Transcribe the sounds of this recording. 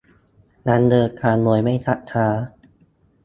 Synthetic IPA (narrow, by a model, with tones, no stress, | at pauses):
na˧˥ndɤː˧kʰaː˧nu˨˧˩əjma˥˩jt̪ʰa˦˥ʔkʰaː˧˦